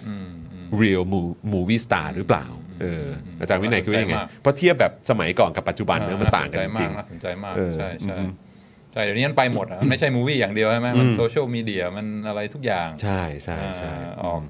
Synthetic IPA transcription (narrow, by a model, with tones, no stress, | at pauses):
ɾi˧wmuː˧muː˧˩wiː˥˩st̪a̰ː˧˩ɾɯː˨˦pla̰ː˨˩wʔɤː˧ʔaː˧˩t͡ɕaː˧nwi˦˥na˨˦kʰːjːpʰɔ˦˥t̪ʰi˥˩əp̚bɛː˨˩p̚sa˧ma˩˦jkɔː˨˩nka˨˩pːa˨˩t̪̚t͡ɕu˨˩ba˧nː˦˥ɐ˦ma˧nt̪a̰ː˨˩ŋka˧t͡ɕi˧mat͡ɕi˧˩kŋnaː˥˩so˩˦nt͡ɕa˧jmaː˥˩kʔɤː˧t͡ɕʰa˥˩jt͡ɕːʰa˥˩˥ | t͡ɕʰa˥˩jdni˦˥ma˧npa˧jmo˨˩t̪̚ʔa˨m˧nma˥˩jt͡ɕʰa˥˩jmuː˧wiː˥˩jaː˨˩ŋdi˧əwʰa˥˩jm˦˥ma˧nsoː˧t͡ɕʰːwmiː˧di˧ɐma˧nʔa˧ɾa˧jt̪ʰu˦˥k̚jaː˨˩ŋt͡ɕʰa˥˩jt͡ɕʰa˥˩jt͡ɕʰa˥˩ʔɔː˨˩k̚